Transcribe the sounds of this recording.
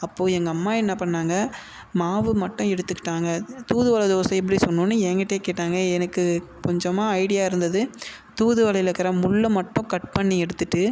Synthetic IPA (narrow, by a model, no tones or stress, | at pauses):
ɐpːoːɛŋɡɐːmːaːɛnːɐpɐɳːaːŋɡɐ | maːʋɯmɐʈːʊ̃ɛɽɯt̪ːɯkːɪ̥ʈːaːŋɡɐt̪uːðɯʋɐlɐd̪oːsɐ̃ɛp̬ːɐɽisɔnːũnːɯɛːŋɡɐʈːejeːkeːʈːaːŋɡɐɛnɐkːɯ | kɔɲd͡ʒɐmaːɐɪɽɪjaːɪɾɯnd̪ɐðɯ | t̪uːðɯʋɐlɐlɐkːɐɾɐmʊɭːɐmɐʈːʊ̃kɐʈ̚pɐɳːiɛɽɯt̪ːɯʈːɯ